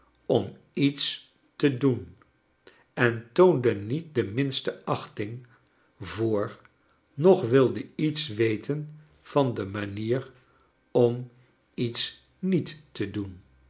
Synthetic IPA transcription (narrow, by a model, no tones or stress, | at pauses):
ɔm | its | tədun | ɛntowndənit̚dəmɪnstəɑχtɪŋ | vʊːɹ | nɔχʋɪlˠdəitsʋejtən | v̥ɑndəmaniːr | ɔm | its | nitːədun